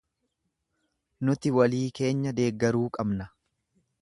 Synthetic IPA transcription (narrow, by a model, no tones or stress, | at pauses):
nʊt̪ɪwɐliːke̞ːɲːɐd̪e̞ːɡːɐɾuːkʼɐbnɐ